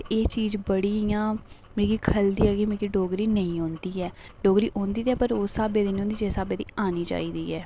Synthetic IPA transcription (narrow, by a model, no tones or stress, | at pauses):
eːt͡ʃiːzbəɽiːjãː | mẽːkiːkʰəld̪iːɛːɡiːmẽːkiːɖoːɡɾiːnəĩːõːnd̪iːɛːɖoːɡɾiːʔõːnd̪iːt̪ɛːpəɾoːsaːbeːd̪iːnĩõːnd̪iːd͡ʒeːsaːbeːd̪ḭːaːniːd͡ʒa̰ːiːd̪iːɛː